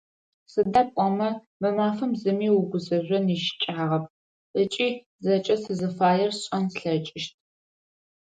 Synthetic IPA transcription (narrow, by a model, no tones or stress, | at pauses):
sɨdɐkʷʼɔmɐ | mɐmaːfɨmzɨmiːwʊɡʷʊzɐʑʷɔniːʃɪ̥t͡ʃʼaːʁɐp̚ʰ | ʔət͡ʃʼiː | zɐt͡ʃʼɐsɨzɨfaːjɛrɕʼɐnɬɐt͡ʃʼɪʃtʰ